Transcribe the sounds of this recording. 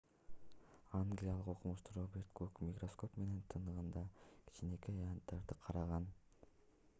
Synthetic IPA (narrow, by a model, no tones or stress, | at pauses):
aŋɡlʲijalˠɯqoqumuʃt̪uɾobʲeɾt̪kʰukmʲikro̞sko̞pme̞ne̞nt̪ʰɯnɯʁɯnd̪ɑkʲʰi̥t͡ʃine̞kiant̪ːeɾd̪ɯqʰɑɾɑʁɑn